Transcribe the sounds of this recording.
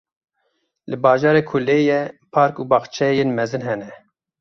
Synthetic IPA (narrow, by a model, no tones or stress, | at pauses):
lɨbɑːʒɑːɾeːkʰuleːjɛpʰɑːɾkuːbɑːxt͡ʃʰɛjenmɛzɨnɦɛnɛ